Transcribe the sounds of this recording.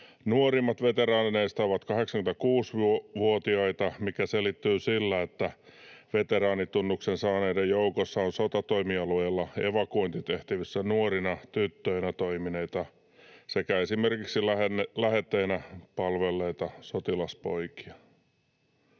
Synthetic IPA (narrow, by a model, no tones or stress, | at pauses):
nuorimːɑt̪ʋet̪eɾɑːnineist̪æoʋɑt̪kɑheksɑŋkymt̪ækuːsʋʋuot̪iɑit̪ɑmikæselit̪ːyːsilːæet̪ːæʋet̪eɾɑːnit̪unːuksensɑːneidejjoukosːɑonsot̪ɑt̪oimiɑluilːɑeʋɑkoint̪it̪eht̪iʋisːænuorinɑt̪yt̪ːøinæt̪oimineit̪ɑ | sekæesimerkiksilæenlæhet̪ːeinæpɑlʋelːeit̪ɑsot̪ilɑspo̰iki̥ɑ̥